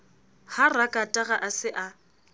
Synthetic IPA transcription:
harakʼatʼaɣaʔasɪʔa

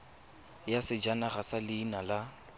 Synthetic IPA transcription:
jasɪd͡ʒanaχasalɪːnala

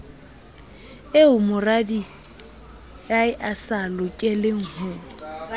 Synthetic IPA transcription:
eʊmʊradi | jaɪʔasalʊkʼɪlɪŋ̩hʊː

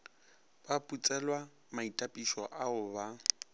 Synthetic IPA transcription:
b̥apʼut͡sʼɛlwa | maitʼapʼiʃɔʔaʊba

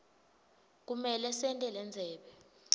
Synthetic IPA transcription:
k̬umɛlɛsɛntʼɛlɛnd͡zʱɛːɓɛ

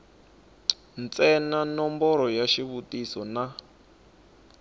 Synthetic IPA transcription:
nt͡sʼɛnanɔmbɔɾɔjaʃiβutisɔna

